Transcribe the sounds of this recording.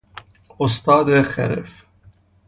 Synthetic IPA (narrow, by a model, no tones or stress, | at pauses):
ʊst̪ɑːd̪exɛ̰ɾɛ̰f